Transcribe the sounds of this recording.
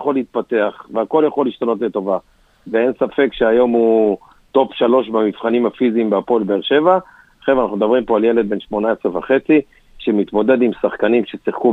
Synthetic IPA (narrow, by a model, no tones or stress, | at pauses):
χoliit̪̚pat̪e̞aχveako̞ljaχo̞lːiʃt̪ano̞t̪let̪o̞va | vee̞nsafe̞kʃeajo̞mu | t̪o̞pʃalo̞ʃbamivχanimhafiziːmbeapo̞lbeeːʁʃe̞va | χevanaχnumed̪abʁimpo̞alje̞le̞d̪̚be̞nʃmo̞naesʁevaχe̞t͡si | ʃemit̪mo̞d̪e̞d̪imsaχkanimʃesiχku